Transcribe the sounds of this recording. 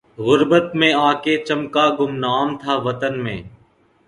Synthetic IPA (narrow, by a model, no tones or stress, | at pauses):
ɣʊɾbət̪mẽːaːkeːt͡ʃəmkaːɡʊmnaːmt̪ʰaːʋət̪ənmḛ̃ː